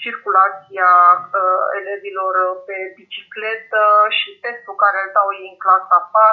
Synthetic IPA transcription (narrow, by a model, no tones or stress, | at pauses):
t͡ʃirkulat̪sia | ḛlevilo̞rpe̞bit͡ʃikle̞t̪əʃipe̞nt̪ɾukaɾesawjiŋklasapa